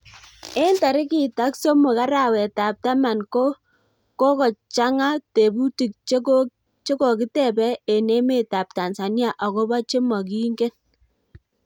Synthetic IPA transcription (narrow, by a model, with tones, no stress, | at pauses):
e˦nta˨ɾɪ˦ki˦˨ta˦kso˦mʊ˨ka˦ɾa˨wɛ˨ta˨p̚ta˦ma˨nko˦ | ko˦kɔ˨t͡ʃa˦ŋa˦te˨bu˦ti˨k̚t͡ʃko˦ | t͡ʃe˦kɔ˨kɪ˦tɛ˨bɛ˦e˨ne˦me˦˨ta˨p̚ta˨nsa˨nja˦˨ʔɔ˨kɔ˦ba˦t͡ʃe˦mɔ˨k̬i˦ŋɡe˦n